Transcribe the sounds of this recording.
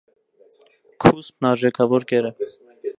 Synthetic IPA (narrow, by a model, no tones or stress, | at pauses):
kʰuspnɑɾʒɛkʰɑvɔɾɡɛɾə